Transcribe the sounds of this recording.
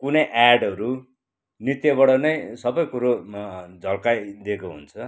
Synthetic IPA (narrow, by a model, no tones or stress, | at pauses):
kunʌjʔaɖʌɾu | nit̪jʌβʌɽʌnʌjsʌbʌjkuɾod͡zʱʌlkajd̪ekoɦṵnt͡sʰʌ